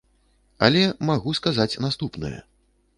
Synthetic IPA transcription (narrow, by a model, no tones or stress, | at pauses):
a̰lʲɛmaɣuskazat͡sʲnast̪upnɨ̰jɛ̰